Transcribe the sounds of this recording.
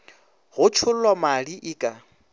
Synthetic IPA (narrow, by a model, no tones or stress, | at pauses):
ɣʊt͡ʃʰʊl̩lwamaliʔɪːkʼa